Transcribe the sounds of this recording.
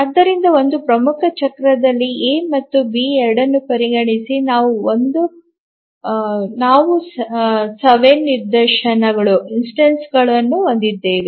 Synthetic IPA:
ɐd̪ːɐɾind̪ɐo̞nd̪upɾɐmukʰɐt͡ʃɐkɾɐd̪ɐlːieːmɐt̪ːubiːɛɾɐɽɐnːupɐɾiɡɐɳisinaːʋuond̪u | naːʋu | sɐʋenːiɾd̪ɐɾʃɐnɐɡɐɭuinsʈɐnsɡɐɭɐnːuond̪id̪ːeːʋi

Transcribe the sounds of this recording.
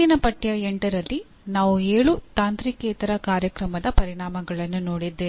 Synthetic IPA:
inɐpɐʈːjɐeɳʈɐɾɐlːi | naːʋueːɭut̪aːnt̪ɾikːeːt̪ɐɾɐkaːɾjɐkɾɐmɐd̪ɐpɐɾiɳaːmɐɡɐɭɐnːunoːɽid̪ːeː

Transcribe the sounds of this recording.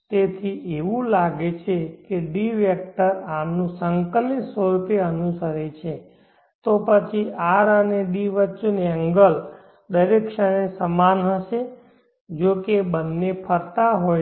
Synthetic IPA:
t̪et̪ʰiʔeʋũlaɡet͡ʃʰekeɖiʋɛk̚ʈəɾanũsəŋkəlit̪səɾupeənusəɾet͡ʃʰe | t̪opət͡ʃʰiʔaɾəneɖiʋət͡ʃːuneə̃ŋɡəl | d̪əɾekʃənesəmanɦəʃe | d͡ʒokebənːepʰəɾt̪aɦoj

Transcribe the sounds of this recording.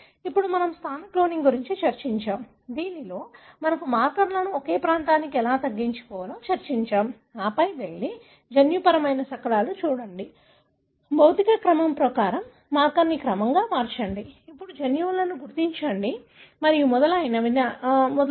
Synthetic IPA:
ipːuɽumɐnɐmst̪ʰaːnɐkloːniŋɡuɾiɲt͡ʃit͡ʃɐɾt͡ʃiɲt͡ʃaːm | d̪iːnilo̞ːmɐnɐkumaːɾkɐɾlɐnuɔke̞ːpɾaːnt̪aːnikiɛlaːt̪ɐɡːiɲt͡ʃu̥kɔːʋɐloːt͡ʃɐɾt͡ʃiɲt͡ʃaːm | aːpɐjʋeɭːi | d͡ʒɐnjupɐɾɐmɐjnɐsɐkɐlaːlut͡ʃuːɽɐɳɖi | bʱɐwt̪ikɐkɾɐmɐmpɾɐkaːɾɐmː | aːɾkɐɾnikɾɐmɐŋɡaːmaːɾt͡ʃɐɳɖiipːuɽud͡ʒɐnjulɐnuɡuɾt̪iɲt͡ʃɐɳɖi | mɐɾimɔd̪ɐlɐːjnɐʋinɐmɔd̪ɐ

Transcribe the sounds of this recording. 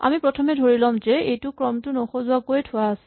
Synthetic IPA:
a̰mipɹɔtʰɔmɛdʱoɹilɔmzɛejtʊkɹɔmtʊnɔxozʊakojtʰʊwaːsɛ̥

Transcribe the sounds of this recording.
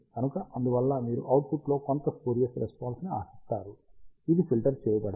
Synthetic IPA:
kɐnukɐʔɐnd̪uʋɐlːɐmiːɾṵʔɐwʈ̚pʰuʈlo̞ːkont̪ɐsuːɾijɐsɾespaːnsnia̰ːsi̥st̪aːɾuid̪ipʰilʈɐɾt͡ʃeːjɐbɐɽ

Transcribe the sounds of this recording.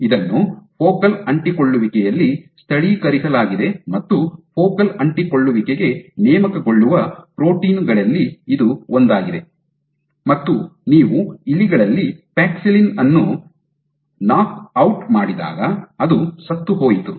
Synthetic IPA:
id̪ɐnːupʰoːkɐlɐɳʈikoɭːuʋikɛjɐlːist̪ʰɐɽikɐɾisɐlaːɡid̪e̞mɐt̪ːupʰoːkɐlɐɳʈikoɭːuʋikeɡe̞nɛːmɐkɐɡo̞ɭːuʋɐpɾo̞ːʈiːnɡɐɭɐlːiːd̪uond̪aːɡid̪e̞ | mɐt̪ːuniːʋuilːiɡɐɭɐlːipaːksilinɐnːu | naːkɐwʈmaːɽid̪a̰ːɡɐɐd̪usɐt̪ːuɦoːjit̪u

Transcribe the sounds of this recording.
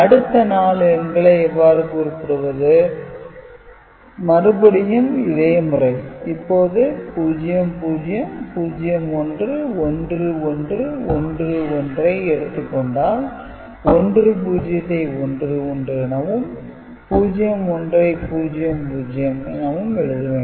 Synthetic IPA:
ɐɽɯt̪ːɐnaːlɐŋɡɐɭɐɛʋːaːɾɯkʊɾɯpːɯɽɯʋɐðɯ | mɐɾɯbɐɽɪjɐmɪðeːmʊrɐɪɪpːoːðɯpuːd͡ʒɪjɐmpuːd͡ʒɪjɐmpuːd͡ʒɪjɐmɔndrɯɔndrɯɔndrɯɔndrɯɔndrɐɪɛɽɯt̪ːɯkːɔɳɖaːl | ɔndrɯp̬uːd͡ʒɪjɐt̪ːɐɪɔndrɯɔndrɯɛnɐʋɯm | puːd͡ʒɪjɐmɔndrɐɪpuːd͡ʒɪjɐmpuːd͡ʒɪjɐmɛ̰nɐʋɯmɛɻɯðɯʋẽː

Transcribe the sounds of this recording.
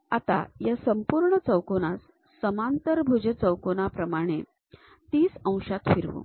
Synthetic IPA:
at̪a̰jasəmpuɾɳət͡səwkonasː | əmant̪əɾbʱud͡ʑət͡səwkonapɾəmaɽ̃e | t̪iːsə̃w̃ʂat̪fiɾʋṵ̃

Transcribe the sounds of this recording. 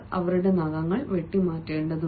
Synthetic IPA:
ɐ̰ʋɐɾuɽe̞nɐɣɐŋːɐɭʋeʈːimaːtːeːɳɖɐðu

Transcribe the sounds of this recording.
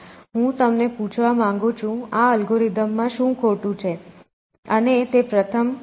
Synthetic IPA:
ɦũt̪əmnepũt͡ʃʰʋamãŋɡũt͡ʃʰũaəlɡoɾid̪əmːãʃũkʰoʈũt͡ʃʰe | ənet̪epɾət̪ʰəm

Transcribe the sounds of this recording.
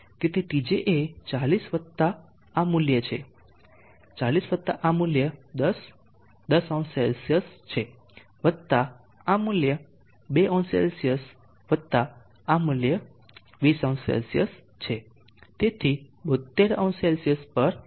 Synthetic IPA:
ket̪eʈid͡ʒeʔet͡ʃalisʋət̪ːa | amuljət͡ʃʰḛ | t͡ʃalisʋət̪ːa̰ʔamuljəd̪əs | d̪əsɔ̃ñselsijəst͡ʃʰe | ʋət̪a | amuljə | beʔɔ̃nsḛlsijəs | ʋət̪ːa | amuljə | ʋisə̃sḛlsijəs | t͡ʃʰe | t̪et̪ʰibət̪ːeɾɔ̃selsiəspəɾ

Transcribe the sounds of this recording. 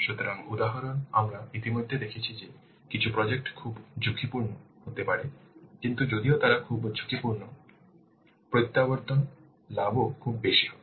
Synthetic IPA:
ʃut̪ɔɾaŋud̪aɦɔɾɔnamɾait̪imod̪ʱːed̪ekʰit͡ʃʰid͡ʒe | kit͡ʃʰupɾɔd͡ʒek̚ʈkʰubd͡ʒukʰipuɾnɔɦot̪epaɾekint̪ud͡ʒod̪iot̪aɾakʰubd͡ʒukʰipuɾnɔ | pɾojt̪ːabɔɾt̪ɔn | labokʰubbeʃiɦɔ

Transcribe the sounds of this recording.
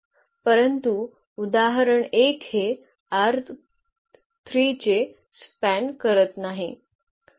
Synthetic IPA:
pəɾənt̪u | ud̪aɦɾəɳekhe | aɾt̪ʰ | t̪ʰɾit͡ɕe | spænkəɾət̪naɦi

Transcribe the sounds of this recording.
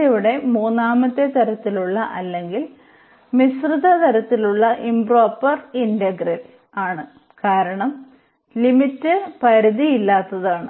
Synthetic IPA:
eʋiɽe̞muːnːaːmɐt̪ːe̞t̪ɐɾɐt̪ːiluɭːɐʔɐlːe̞ŋɡil | misrɨðɐt̪ɐɾɐt̪ːiluɭːɐʔimbro̞ːpːɐrindɐɡrɐl | aːɳɨ | kaːɾɐɳɐm | limitːɨpɐɾiðiilːaːt̪ːɐðaːɳɨ

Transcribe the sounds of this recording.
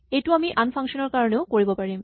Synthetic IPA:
ejtʊamiʔanpʰaŋkʃɔnɔɹkaɹɔneʊkoɹibɔpaɹim

